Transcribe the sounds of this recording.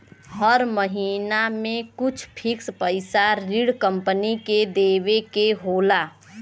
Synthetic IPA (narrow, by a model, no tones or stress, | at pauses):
həɾməɦiːnamẽkʊt͡ʃʰpʰɪkspəɪsaɾiɽkə̃mpəniked̪eːʋekeɦoːlaː